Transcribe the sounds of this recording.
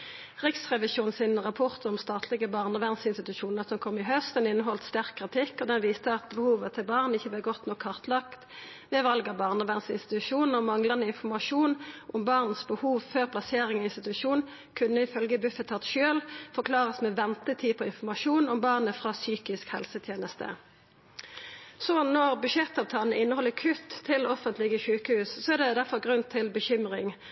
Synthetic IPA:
ʁɪksʁɛʋɪsjuːnsɪnʁɑpʰɔʁt̪ɔmst̪ɑːt̪ʰlɪɡəbɑːʁnɔʋæʁnsɪnst̪ɪt̪ʉʃuːnəʁsɔmkʰɔmːɪɦœst̪d̪ɛnɪnːəɦɔlt̪st̪æʁkʰːʁɪt̪ʰɪkːɔd̪ɛnʋiːst̪əɑt̪̚bəhuːʋət̪ʰɪlbɑːʁnɪçːəblɛɡɔt̪nɔkʰːɑʁt̪lɑkt̪ | ʋɛʋɑlɡɑbɑːʁnɔʋæʁnsɪ̰nst̪ɪt̪ʉʃuːnn̩ɔmɑŋlənəɪnfɔmɑʃuːnʔɔmbɑʁn̩sbəhuːʋføʁpʰlɑseːʁɪŋɔɪnst̪ɪt̪ʉʃuːn | kʰʉnːəɪfœlɡəbʉfət̪ʰːɑt̪ʃøːlfɔʁkʰlɑːʁəsmɛʋɛnt̪ət̪ʰiːpʰɔɪnfɔmɑʃuːnɔmbɑʁnəfʁɑːsyːkɪskhɛ̰lsət̪ʰjeːnəst̪ə̰ | sɔnɔʁbʉʃɛt̪ːɑːʋt̪ʰɑːlnəɪnːəhɔlːəkʰʉt̪ʰːɪlɔfənt̪lɪɡəʃʉːkəhʉːssɔæʁd̪ɛd̪æʁfɔʁɡʁʉnt̪ʰɪlbəçʏmʁɪŋ

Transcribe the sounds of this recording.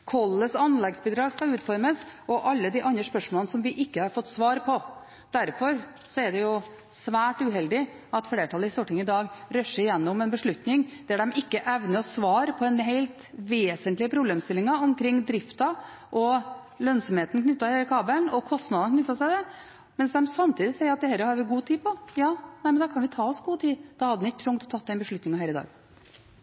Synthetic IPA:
kʰɔlːəsɑnlɛɡsbɪd̪ɾɑːkskɑlʉːt̪fɔɾməsɔʔɑlːəd̪ɪʔɑnd̪ɾəspœʂmoːlnəsɔmʋɪʔɪkːəhɑɾfɔt̪ːsʋɑːɾpʰɔ | d̪̥æɾfɔɾ | sɔæɖɛjʊ | sʋæːʈʉɦɛld̪ɪ | ɑt̪fleːʈʰɑlːəɪst̪uːʈɪŋɪd̪ɑːɡɾœʂəɾɪjɛnːʊmɛnbəʂɭʉt̪nɪŋd̪̥ɛæɖɛmɪkːəʔɛʋnəɔsʋɑːɾpʰɔd̪ɛnɦeɪlt̪ʋeːsənt̪lɪəpʰɾʊbleːmst̪ɪlːɪŋɑʊmkʰɾɪŋːd̪ɾɪft̪ɑ | ʔɔ | lœnsɔmheːt̪n̩kʰnʏt̪ːɑheːləkʰɑːbəlnɔkʰɔst̪nɑd̪nkʰnʏt̪ːɑsæɪd̪ɛ | mɛnsd̪ɛmsɑmt̪ʰiːd̪ɪsɛɪəɾɑt̪̚d̪ɛhɛlːəɾhɑɾʋɪɡuːt̪ʰiːpɔjɑːnæɪmənd̪ɑːkʰɑnʋɪt̪ʰɑːɔsɡuːt̪ʰiːd̪ɑːhɑd̪ːmnɪkːət̪ʰɾʊŋt̪ɔ̥t̪ʰɑt̪ːɛɪnbəʂɭʉt̪nɪŋɑhæːɾɪd̪ɑ̰ːɡ

